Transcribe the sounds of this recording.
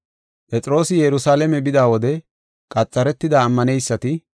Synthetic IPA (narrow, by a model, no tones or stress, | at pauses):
pʼɛt͡sʼɾo̞ːsɪjɛɾʊsaːlɛmɛbɪd̪aːwɔd̪ɛ | kʼɐt͡sʼːɐɾɛt̪ːɪd̪aːmːɐnɛjsːɐt̪ɪ